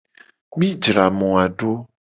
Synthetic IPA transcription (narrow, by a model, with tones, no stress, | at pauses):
mĩ˦d͡ʒɾa˨mɔ̃˨a˨ɖo˦